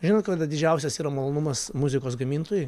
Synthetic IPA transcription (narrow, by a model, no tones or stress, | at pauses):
ʒʲɪnoːt̪kɐd̪ɐd̪ʲɪd͡ʒʲɛʊsʲɛsiːɾɐmɐlˠoːnʊmɐsmʊzʲɪkoːsɡɐmʲiːnt̪oːjʊ